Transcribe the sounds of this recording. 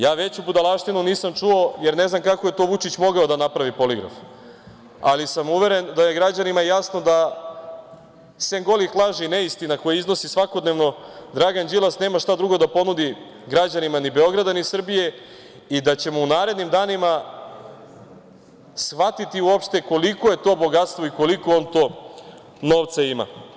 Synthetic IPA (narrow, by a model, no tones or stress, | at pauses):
jaːʋe̞t͡ɕubud̪alˠaʃt̪inuniːsamt͡ʂuo̞jeɾne̞znamkakoje̞t̪oːʋut͡ʃit͡ɕmo̞ɡaod̪anapɾaʋipo̞liɡɾa̰f | a̰lisamuʋe̞ɾend̪ajeɡɾad͡ʑanimajasno̞d̪a | seŋɡo̞lixlˠaʒineist̪inako̞jaizno̞sisʋakod̪ne̞ʋno̞d̪ɾaɡand͡ʑilˠasne̞ːmaʃt̪ad̪ɾuɡo̞d̪apo̞nud̪i | ɡɾad͡ʑanimanibeo̞ɡɾad̪anisr̩bije̞ | id̪at͡ɕe̞mounaːɾe̞d̪nimd̪aːnima | sʋat̪it̪iuo̞pʃt̪e̞ko̞liko̞je̞t̪o̞ːbo̞ɡat̪st̪ʋo̞iko̞likoo̞nt̪o̞ː | no̞ːʋt̪saima̰